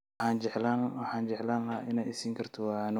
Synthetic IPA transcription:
aːnd͡ʒɛʕlawħaːnd͡ʒɛʕlaːnʔɪnaːjɪsiːŋkʰɐrt̪ʰɔwɑn

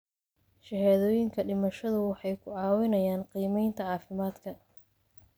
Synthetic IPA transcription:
ʃɛɦaːðɔːjɪŋkʰɐɖɪmɐʃɐðʊwɑħɑjkʰʊʕɑːwɪnɐjaːnqiːmɛjnt̪ʰɐʕɑːfɪmaːd̪kʰɐ

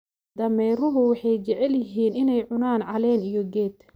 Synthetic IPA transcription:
d̪̥ɐmɛjɾʊɦʊwɑħɑjt͡ʃɛʕɛljɪɦiːnɪnɛjʕʊnaːnʕɑlɛːnijɔɡɛːd̪

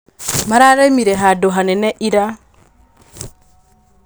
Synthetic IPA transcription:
maɾaɾɛmiɾɛɦadoɦanɛnɛʔiɾa

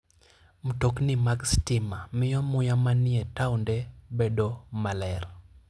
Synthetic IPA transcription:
m̩toknimaɡstɪmamɪjɔmʊjamanɪetaundɛbedomalɛr

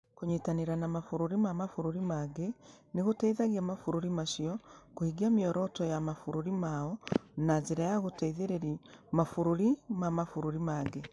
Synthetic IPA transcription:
koɲitaneɾanamafuɾuɾimamafuɾuɾimaɡeneɣotɛiðaɣiamafuɾuɾimaʃiɔkohiɡiamiɔɾɔtɔjamafuɾuɾimaɔnazeɾajaɣotaiðeɾeɾimafuɾoɾimamafuɾuɾimaːɡe

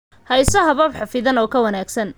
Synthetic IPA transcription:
hɐjsɐɦɐβɐbħɑfɪðɐnɔːkʰɐwɐnaːɡsɐn

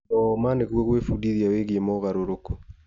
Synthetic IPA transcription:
ɔmaneɣwɔɣwefudiðiaweɣiemɔɣaɾoɾoko

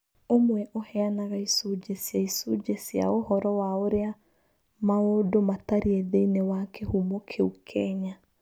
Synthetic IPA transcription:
omwɛʔohɛanaɣaisud͡ʒesjaisud͡ʒesja̰ohɔɾɔwaoɾea | maodomataɾieðeinewakʰehumokʰeukʰɛɲa

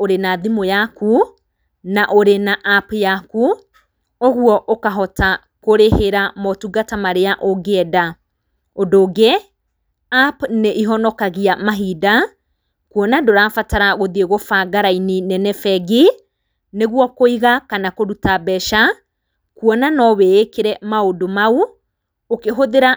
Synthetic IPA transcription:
oɾenaðimojaku | naʔoɾenaʔːpjaku | oɣuɔʔokaɦɔta | koɾeheɾamɔtuɡatamaɾeaʔoɡeɛda | odoɡe | apneʔiɦɔnɔkaɣiamaɦida | kwɔnadoɾaːfataɾaɣoðieɣofaɡaɾaininɛnɛfɛɡi | neɣwɔkoiɣakanakoɾutabɛʃa | kuɔnanɔwɛekeɾɛmaodomau | okeɦoðeɾa

